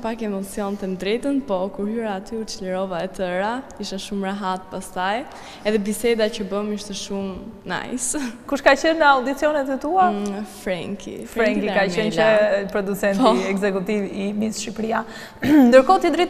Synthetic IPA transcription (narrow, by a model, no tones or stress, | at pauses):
pakɛmɔt͡siɔnt̪ɛnd̪ɾɛt̪ənpɔkuɾhyɾaːt̪yut͡ʃələɾɔvaɛt̪əɾaiʃaʃumɾaɦat̪̚past̪aj | ɛðɛbisɛd̪acəbəmiʃt̪ɛʃumna̰jskuʃkat͡ʃənawd̪it͡siɔnɛt̪ɛt̪uafɾɛŋkʰḭfɾɛŋkikaənt͡ʃəpɾɔd̪ut͡sɛnpɔiɛɡzɛkut̪ivimisʃipɾia | nd̪əɾkɔt̪id̪ɾit̪